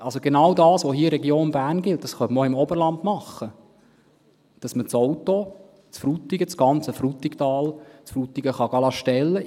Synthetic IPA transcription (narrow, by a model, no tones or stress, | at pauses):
ʔɑlsoɡ̥enɑwdɑːsʋoɦiːəɾɛɡjoːnbæːɾnɡɪlt̚d̥ɑsχœməoɪmɔbəɾlɑndmɑχːə | d̥ɑsmət͡sowto | t͡sfɾut̪ːɪɡət͡sɡ̥ɑnt͡səfɾut̪ːɪktɑːlt͡sfɾutiɡəχɑɡ̥ɑlɑʃtɛlːə